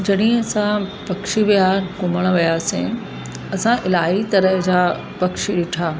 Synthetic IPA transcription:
d͡ʑɐɗɪ̃sãpɐkʃiʋijaːkʊməɽ̃ʋijaːsḭ̃ | ɐsãʔɪlaːɦit̪ɐɾəɦd͡ʑaː | pɐkʃiɗɪʈʰaː

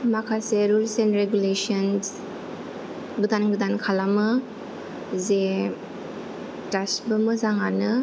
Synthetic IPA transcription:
makʰaseɾulsenɾeɡulesɔns | ɡɯdanɡɯdankʰalamɯ | ze | tasbɯmɯzaŋanɯ

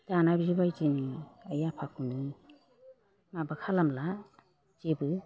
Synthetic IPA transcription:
tanaɾizibajzenɯajapʰakʰunɯ | mabakʰalamla | d͡ʒebɯ

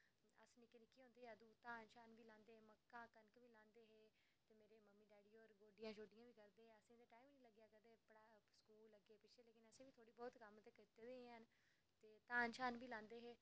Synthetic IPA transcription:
ə̰snɪkenɪkːiːɦõːnd̪eːɦɛːəd̪uːt̪aːnʃaːnʋiːlãːnd̪eːeːməkːãːkənkʋiːlãːnd̪eːɦeː | t̪eːmeːɾeːməmːiːɖaːɽiːɔːɾɡoːɖɪjãːd͡ʒoːɖɪjãːʋiːkəɾd̪eːɦeːəsẽːd̪eːʈaːimnĩːləɡjaːkəd̪eːpəɽaːskuːlːəɡeːpɪt͡ʃʰeːleːkɪnəsẽːʋiːt̪ʰoːɽiːbɔːt̪kəmt̪eːkɪt̪eːd̪eːɦẽːɦən | t̪eːt̪aːnʃaːnbiːlãːnd̪eːɦeː

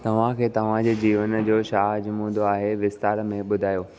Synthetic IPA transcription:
t̪ɐʋ̤ãkʰeːt̪ɐʋ̤ãd͡ʑeːd͡ʑiːʋənd͡ʑoːʃaːɦd͡ʑmũːnd̪ʱoaːɦeʋɪst̪aːɾmẽɓʊd̪ʱaːjoː

